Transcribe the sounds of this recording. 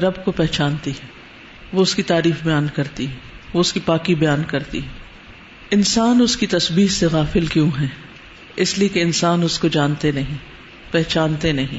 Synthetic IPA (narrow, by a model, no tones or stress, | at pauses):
ɾɐbkopɛɦt͡ʃaːnt̪iɦɛː | ʋoʊskit̪aːɾiːfbɐjaːnkɐɾt̪iɦɛːʋoʊskipaːkibɐjaːnkɐɾt̪ḭɦɛː | ɪnsaːnʊskit̪ɐsbiːɦseɣaːfɪlkjõːɦɛː | ɪsliekeɪnsaːnʊskod͡ʒaːnt̪enɐɦĩ | pɛɦt͡ʃaːnt̪enɐɦĩː